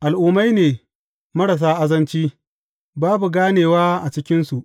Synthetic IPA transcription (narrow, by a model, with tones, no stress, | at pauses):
ʔa˨lʔuː˦ma˦jneː˨ | mɐ˦ɾa˨s̬aː˦ʔa˦zɐ˦nt͡ʃiː˦ | baː˦bu˨ɡaː˦neː˨waː˦ʔa˨t͡ʃɪ˦kʲɪ˦nsu˨ʔ